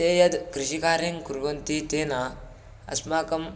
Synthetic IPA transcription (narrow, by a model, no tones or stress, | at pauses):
t̪ejɐd̪kɾiɕikaːɾiŋkuɾʋɐnt̪it̪ena | ɐ̰smakɐm